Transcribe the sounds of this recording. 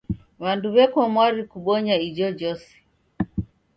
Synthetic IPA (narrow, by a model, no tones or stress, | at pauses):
βanduβɛkwɔmwaɾikuɓɔɲaid͡ʒɔd͡ʒɔsi̥